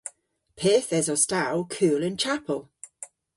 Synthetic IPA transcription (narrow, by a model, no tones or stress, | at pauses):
pʰɛːθɛzɔstalˠkʰuːlɪ̃nt͡ʃʰapʰəlˠ